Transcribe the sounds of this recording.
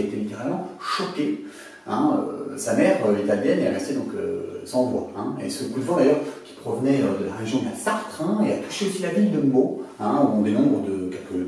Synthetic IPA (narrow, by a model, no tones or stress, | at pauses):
et̪elit̪eʁalmɑ̃ʃɔke | ɛ̃ø̰samɛʁøet̪ald̪ɛneaʁɛst̪ed̪ɔ̃kø̰sɑ̃vwa̰ɛ̃ḛsəɡud̪vɑ̃d̪ajœʁkʲi̥pχɔvnɛød̪əlaʁeʒjɔ̃d̪əlasaʁt̪χɛ̃eat̪u̥ʃeosilavild̪əmoɛ̃d̪ɔ̃d̪enɔ̃bʁəd̪əkʲɛlkə